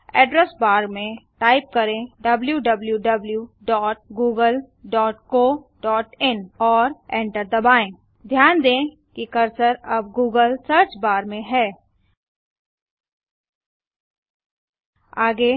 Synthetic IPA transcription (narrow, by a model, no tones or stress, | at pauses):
ɛːɖɾəsbaːɾmẽʈaːɪp̚kɐɾẽɖɐbljuɖɐbljuɖɐbljuɖɔːʈ̚ɡuːɡəl | ɖɔːʈkoː | ɖɔːʈɪnɔːɾɛ̃ːɳʈəɾd̪ɐbaːẽː | d̪ʱjaːnd̪ẽː | kikɐɾsəɾɐb̚ɡuːɡəlsɐɾt͡ʃbaːɾmẽɦɛː | aːɡe